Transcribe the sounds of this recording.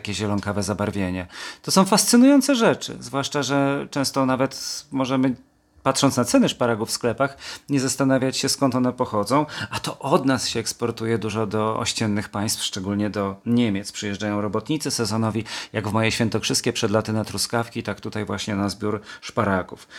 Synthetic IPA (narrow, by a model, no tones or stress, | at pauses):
akʲɛʑɛlɔŋkavɛzabaɾvʲjeɲɛt̪ɔsɔ̃w̃fast̪sɘnujɔnt̪sɛʐɛt͡ʂɘ̰zvwaʂt͡ʂaʐɛt͡ʂɛ̃w̃st̪ɔnavɛt̪mɔʐɛmɘ | pat̪ʂɔnt̪nat̪sɛnɛʂpaɾaɡufːsklɛpaxɲɛzast̪anavʲjat͡ɕɕɛskɔnt̪ɔnɛpɔxɔd̪zɔ̃w̃at̪ɔʔɔd̪nasɕɛɛkspɔɾt̪ujɛd̪uʐɔd̪ɔɔ̰ɕt͡ɕɛnːɘxpaj̃st̪fʂt͡ʂɛɡulɲɛd̪ɔɲemʲjɛt̪spʂɨjɛʐd͡ʐajɔ̃w̃ɾɔbɔt̪ɲit̪sɘsɛzɔnɔvʲijaɡvmɔjejɕfʲjɛnt̪ɔkʂɘst̪kʲɛpʂɛd̪lat̪ɘnat̪ɾuskafkʲit̪akt̪ut̪ajvwaɕɲɛnazbʲjuɾʂpaɾaɡṵf